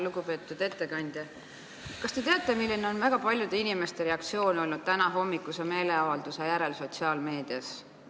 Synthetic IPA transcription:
luɡupe̞ːt̪ːˑud̪̥e̞t̪ːe̞kɑnʲd̪̥ʲjɑ | kɑst̪e̞t̪eɑt̪ːˑe̞milʲːineo̞nvæɡ̥ɑpɑlʲjud̪̥e̞inime̞st̪e̞ɾe̞ɑk̚t̪sio̞ːno̞lnud̥̪̚t̪ænɑɦo̞mːikːˑuse̞me̞ːle̞ɑvɑld̪̥usejæɾe̞lso̞t̪siɑːlme̞ːd̪̥iɑs

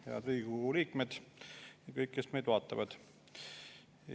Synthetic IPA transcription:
hḛɑ̰d̪riːɡ̥uliːkmed̪̥ɑkɤjkːesmejd̪vɑːt̪ːˑɑvɑd̪̥

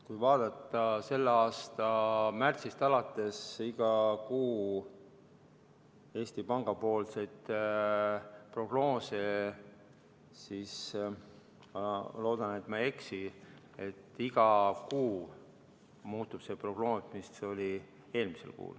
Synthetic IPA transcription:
kujvɑːd̪̥ɑt̪ːˑɑse̞lːeɑːst̪ɑmært̪sist̪ɑlɑt̪ˑːe̞siɡ̥ɑkuː | e̞ːst̪ipɑŋɡ̥ɑpo̞ːlsejt̪ | pro̞ɡ̥no̞ːse | sis | mɑlo̞ːd̪̥ɑne̞t̪ːˑmɑe̞ksi | e̞t̪ːiɡ̥ɑkuː | muːt̪ːˑub̥se̞ːpro̞ɡ̥no̞ːsmist̪seo̞li | e̞ːlmise̞lkṵːl

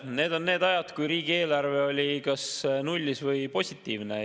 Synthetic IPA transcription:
ne̞ːd̪̥o̞nːe̞ːd̪ɑjɑd̪̥kujɾiːɡ̥ie̞ːlɑrve̞o̞lʲikɑsnulʲːisvɤjpo̞sʲit̪ːˑiːvnḛ

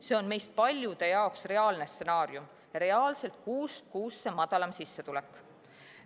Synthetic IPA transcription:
se̞o̞nme̞jst̪̚pɑlʲjud̪̥e̞jɑoksre̞ɑːlne̞st̪se̞nɑːɾjum | ɾe̞ɑːlse̞lt̪̚kuːst̪̚kuːsːemɑd̪̥ɑlɑmsisːet̪ulɛkːˑ

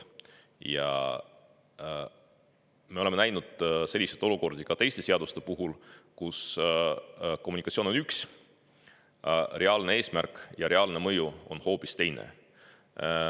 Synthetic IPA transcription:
jɑ̰ | me̞o̞lemenæjnud̪̥se̞lʲːiset̪ːˑo̞luko̞rd̪̥ikɑt̪e̞jst̪e̞seɑd̪̥ust̪e̞puɦulkus | ko̞mːunikɑt̪sioːnonyks | re̞ɑlne̞e̞ːsmærkːˑjɑɾe̞ɑlne̞mɤjuonho̞ːpist̪e̞jnḛ

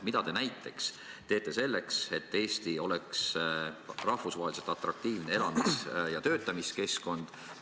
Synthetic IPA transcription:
mid̪ɑt̪e̞næjt̪ːˑe̞ks | t̪e̞ːt̪ːˑe̞se̞lːe̞kse̞t̪ːe̞ːsʲt̪io̞leks | rɑhvusvɑːelise̞t̪ˑɑt̪ˑɾɑk̚t̪iːvnee̞lɑmisjɑt̪ø̞ːt̪ːˑɑmiske̞sko̞nd̪̥

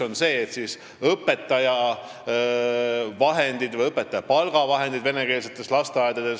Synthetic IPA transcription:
o̞nse̞ːt̪sis | ɤpːˑe̞t̪ːˑɑjɑ | vɑɦe̞nd̪̥id̪vɤjɤpːˑet̪ːˑɑjɑpɑlɡ̥ɑvɑɦe̞nd̪id̪ve̞neke̞ːlset̪ˑːe̞slɑst̪eɑjd̪̥ɑd̪e̞s

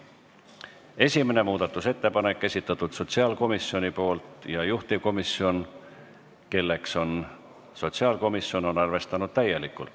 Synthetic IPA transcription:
e̞sʲimene̞muːd̪̥ɑt̪ːˑuse̞t̪ːe̞pɑne̞kˑːe̞sʲit̪ːˑɑt̪ːˑud̪̥so̞t̪siɑːlko̞misːio̞nʲipo̞ːlt̪jɑjuht̪iko̞misːio̞n | ke̞lːe̞kso̞n | so̞t̪siɑːlko̞misːo̞no̞nɑrve̞st̪ɑnud̪̥̚t̪æje̞likːˑṵlt̪

